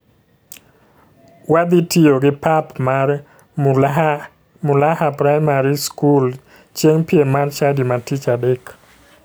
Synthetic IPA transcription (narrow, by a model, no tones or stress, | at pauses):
wad̪itioɡɪpapmaɾɛ | m | mʊlahapɾajmaɾiskul | t͡ʃeŋpjemart͡ʃadimatit͡ʃadɛk